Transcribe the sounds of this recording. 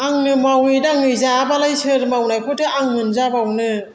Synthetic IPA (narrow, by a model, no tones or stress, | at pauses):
aŋnɯmawidaŋɯjzabalajsʰɯɾmawnajkʰutʰɯʔaŋmɯnzabawnɯ